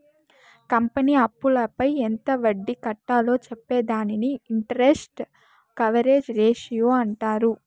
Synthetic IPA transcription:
kɐmpɐniːɐpːulɐpɐjent̪ɐʋɐɖːikɐʈːaːlo̞ːt͡ʃɛpːeːd̪aːniniiɳʈɐɾesʈ | kɐʋɐɾe̞ːd͡ʒɾeːʂijoːɐɳʈaːɾu

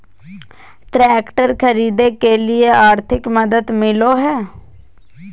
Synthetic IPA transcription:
ʈɾɛːkʈəɾkɐɾiːd̪ekelieaːɾt̪ʰɪkmɐd̪əd̪mɪloɦɛː

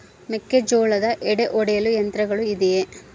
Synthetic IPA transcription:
mekːed͡ʒoːɭɐd̪ɐʔɛɽeʔɔɽejɐlujɐnt̪ɾɐɡɐɭuid̪eje

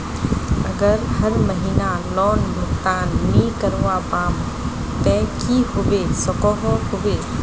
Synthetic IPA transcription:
əɡəɾhəɾməɦiːnalɔːnmʊkt̪aːnmikəɾʋabaːm | t̪ɛ̃kihubesɔkɔɦɔ̃hʊʋe

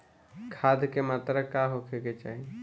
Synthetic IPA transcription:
kʰad̪kemat̪ɾəkaɦokʰeket͡ʃaːɦi

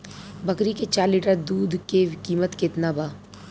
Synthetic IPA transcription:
bɐkɾiket͡ʃaːɾliːʈəɾd̪uːd̪ʱkeʋkiːmət̪keːt̪nabaː

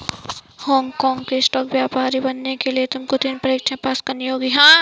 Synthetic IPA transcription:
hɔːŋɡkɔːŋɡkesʈɔːkbjaːpaːɾibɐnːekeliet̪ʊmkot̪inpɾɐekt͡ʃʰɐ̃paːskɐɾniɦoːɡiɦãː

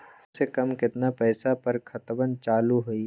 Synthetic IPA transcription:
sekɐmkɪt̪napɛːsapɐɾkʰɐt̪bənt͡ʃaːluɦoi

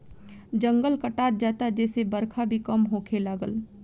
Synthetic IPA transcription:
d͡ʒə̃ŋɡəlkəʈaːt̪̚d͡ʒaːt̪ad͡ʒɛːsebəɾkʰabʱikɐmɦoːkʰelaːɡəl

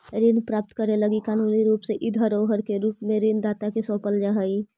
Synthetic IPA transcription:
ɾinpɾaːp̚t̪kəɾeləɡikaːnuːniɾuːpseʔɪd̪ʱɦəɾoɦəɾkeɾuːpmẽɾind̪aːt̪akesõːpəld͡ʒaɦəi

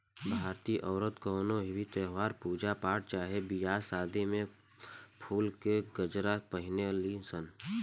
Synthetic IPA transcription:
bʱaːɾt̪iʔɔːɾət̪kɔːnoɦɪwit̪əɦwaːɾpuːd͡ʒapaːʈ̚t͡ʃaːɦebijaːsaːd̪emẽ | pʰuːlkeɡəd͡ʒɾapəɦɪnelisən

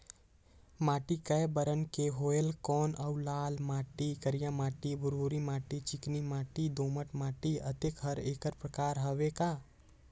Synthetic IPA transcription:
maːʈikɐjbəɾənkeɦoːjəlkɔːnʔɐwlaːlmaːʈikɐɾijãmaːʈibʊɾoːɾimaːʈit͡ʃɪknimaːʈid̪oːməʈmaːʈiɐt̪ekɦɐɾeːkəɾpɾəkaːɾɦɐʋekaː

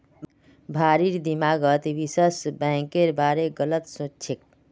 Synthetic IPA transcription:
bʱaɾiɾd̪imaɡət̪ʋisəsbɛ̃keɾbaɾeɡələt̪sõt͡ʃʰek̚

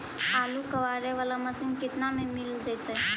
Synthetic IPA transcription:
alukəʋaɾeʋalaməsinkit̪namemild͡ʒət̪ə

